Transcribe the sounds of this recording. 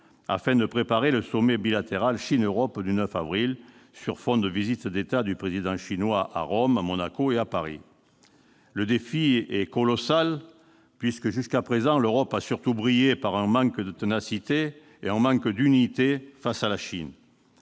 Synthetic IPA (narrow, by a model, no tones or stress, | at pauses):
a̰fɛ̃d̪əpχepaʁeləsɔmebilat̪eʁalʃinøʁɔpd̪ynœfavʁilsyʁfɔ̃d̪əvizit̪d̪et̪ad̪ypχezid̪ɑ̃ʃinwaʔa̰ʁɔmamɔnakoeapaʁḭ | ləd̪efiɛkɔlɔsal | pɥiskəʒyskapχezɑ̃løʁɔpasyʁt̪ubʁijepaʁɛ̃mɑ̃ŋkd̪ət̪ənasit̪e | eɛ̃mɑ̃kd̪ynit̪efasalaʃḭn